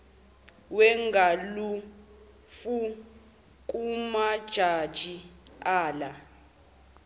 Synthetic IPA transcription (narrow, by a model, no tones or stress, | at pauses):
wɛŋɡalu | fu | k̬ʼumad̥ʒ̥ʱad̥ʒ̥ʱiaːla